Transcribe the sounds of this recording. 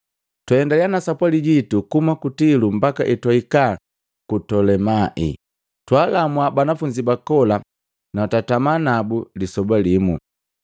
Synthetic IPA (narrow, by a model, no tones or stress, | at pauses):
tɛɛndalianasapwaliɟitukumakutilumbakaʔitwaika | kutɔlɛmaʔḭ | twalamwabanafuɲd͡ʒibakɔla | natatamanabulisɔbalimu